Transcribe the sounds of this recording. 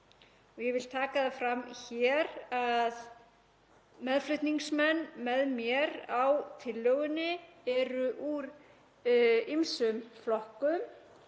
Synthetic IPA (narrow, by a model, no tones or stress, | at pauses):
ɔɣjɛvɪlt̪ʰaːkaðafɾamçɛɾað | mɛðflʏht̪niŋsmɛnːmɛðmjɛɾawt̪ʰɪlːœɣʏnːɪɛɾʏʔuɾ | imsʏmflɔhkʏm